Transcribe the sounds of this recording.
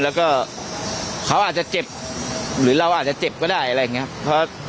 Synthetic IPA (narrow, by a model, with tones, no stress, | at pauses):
lɛː˦˥wkɔː˥˩ | kʰa˦˥wʔaː˨˩t͡ɕa˨˩t͡ɕe˨˩p̚ɾɯː˩˦ɾa˧wʔaː˨˩t̪̚t͡ɕa˨˩t͡ɕe˨˩p̚kɔː˥˩daː˥˩jʔa˧ɾa˧ja˨˩ŋːi˦˥a˥pʰɾɔ˦˥